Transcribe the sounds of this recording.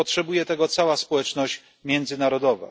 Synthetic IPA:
ɔtʂɛbujɛt̪ɛɡɔt̪sawaspɔwɛt͡ʂnɔɕt͡ɕ | mʲjɛnd̪zɘnaɾɔd̪ɔva̰

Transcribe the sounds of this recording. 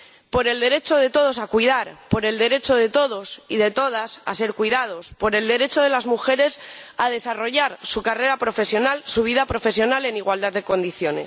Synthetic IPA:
po̞ɾe̞ld̪e̞ɾe̞t͡ʃo̞ð̞e̞t̪o̞ð̞o̞sakwiðaɾpo̞ɾe̞ld̪e̞ɾe̞t͡ʃo̞ð̞e̞t̪o̞ðo̞siðe̞t̪o̞ð̞asa̰se̞ɾkwiðað̞o̞spo̞ɾe̞ld̪e̞ɾe̞t͡ʃo̞ð̞elazmuxe̞ɾe̞sað̞e̞saro̞ʝaɾsukare̞ɾapɾo̞fe̞sjo̞nalsuβ̞iðapɾo̞fe̞sjo̞nale̞niɣwald̪at̪̚ðe̞ko̞nd̪iθjo̞ne̞s

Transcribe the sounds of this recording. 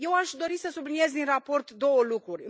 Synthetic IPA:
je̞waʃd̪o̞ɾisəsublinie̞zd̪inrapo̞rt̪d̪o̞wəlukɾurʲ

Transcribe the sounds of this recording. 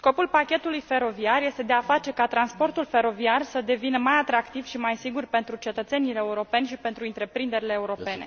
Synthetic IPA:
sko̞pulpakʲe̞t̪ulujfe̞ɾo̞viarje̞st̪e̞d̪e̞afat͡ʃe̞kat̪ɾanspo̞rt̪ulfe̞ɾo̞viarsəd̪e̞vinəmajat̪ɾakt̪iv̥ʃimajsiɡurpe̞nt̪ɾut͡ʃe̞t̪ət̪se̞nileeːuɾo̞pe̞nʲʃipe̞nt̪ɾuint̪ɾe̞pɾind̪e̞ɾileːuɾo̞pe̞ne̞

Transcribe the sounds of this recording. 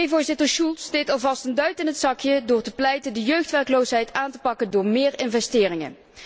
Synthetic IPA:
ejvʊːɹzɪtəɹʃulˠtstejtɑlˠvɑstəndœɥtɪnɦətsɑkjədʊːɹtəplɛjtəndəjøɥxtʋɛɹklowsɦɛjtaːntə̥pɑkəndʊːɹmɪːɹɪnvɛstɪːrɪŋə̰

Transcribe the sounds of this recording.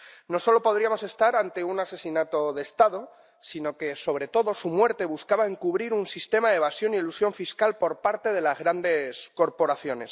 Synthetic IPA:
no̞so̞lo̞po̞ð̞ɾiamo̞se̞st̪aɾant̪e̞unase̞sinat̪o̞ðest̪aðo̞ | sino̞ke̞so̞β̞ɾe̞t̪o̞ðo̞sumwe̞ɾt̪e̞βuskaβaeŋkuβ̞ɾiɾunsist̪e̞maðeβasjo̞nielusjo̞ɱfiskalpo̞ɾpaɾt̪e̞ð̞e̞lazɣ̞ɾand̪e̞sko̞ɾpo̞ɾaθjo̞ne̞s

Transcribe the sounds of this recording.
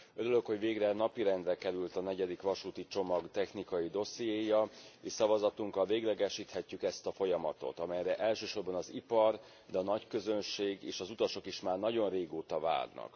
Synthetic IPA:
øɾylø̞kho̞ɟveːɡrɛnɒpiɾɛnd̪bɛkɛɾylt̪ɒnɛɟɛd̪ikʋɒʃuːt̪it͡ʃo̞mɒɡt̪ɛxnikɒjid̪o̞sjeːjɒeːʃsɒvɒzɒt̪uŋkɒlveːɡlɛɡɛʃiːt̪hɛcːykɛst̪ɒfo̞jɒmɒt̪o̞̰t̪ɒmɛjrɛʔɛlʃøːʃo̞rbɒnɒzipɒr | d̪ɛːnɒckø̞zønʃeːɡeːʃɒzut̪ɒʃo̞kiʃmaːrnɒɟo̞nreːɡoːt̪ɒva̰ːd̪nɒ̰k

